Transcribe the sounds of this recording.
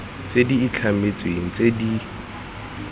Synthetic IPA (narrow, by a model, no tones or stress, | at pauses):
t͡sʼediːt͡ɬʰamet͡sʼweŋ̩t͡sʼedi